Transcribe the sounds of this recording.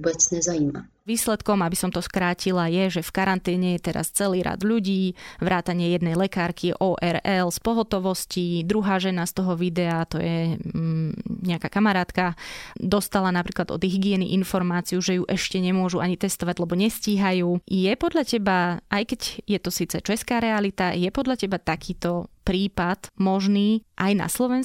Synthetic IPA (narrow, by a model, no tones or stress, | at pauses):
bɛt͡sɲɛzajiːma̰ | ʋiːslɛt̪kɔmabisɔmt̪ɔskɾaːcilajɛʒɛfkaɾant̪ɛːɲɛjɛt̪ɛɾa̰st͡sɛliːɾa̰d̪ʎuɟiːʋɾʔaːt̪aɲɪɛjɛd̪nɛjlɛkaːɾkiʔɔːʔɛɾɛlspɔɦɔt̪ɔʋɔscid̪ɾuɦaːʒɛnast̪ɔɦɔʋid̪ɛat̪ɔjɛ | ɲɛakaːkamaɾaːt̪kad̪ɔst̪alanapɾiːklad̪ɔ̰d̪ɦiɡɪɛnḭʔinfɔɾmaːt͡sijuʒɛjuʔɛʃcɛɲɛmʊɔʒuʔaɲit̪ɛst̪ɔʋaɟlɛbɔɲɛsciːɦajuːjɛpɔd̪ʎacɛbaʔajkɛɟjɛt̪ɔsiːt͡sɛt͡ʃɛskaːɾɛalit̪ajɛpɔd̪ʎacɛbat̪akʰiːt̪ɔpɾiːpad̪mɔʒniːʔajna̰slɔʋɛns